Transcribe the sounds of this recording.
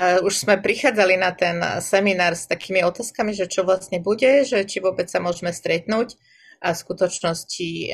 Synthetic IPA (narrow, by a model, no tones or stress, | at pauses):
uʃz̥mɛpɾixaːd͡zalinat̪ɛnsɛminaːɾst̪akiːmiɔt̪aːskamiʒɛt͡ʃɔʋlast̪ɲɛbuɟɛʒɛt͡ʃiʋʊɔbɛt͡ssamʊɔʒɛmɛst̪ɾɛt̪nuːc | ʔaskut̪ɔt͡ʃnɔsci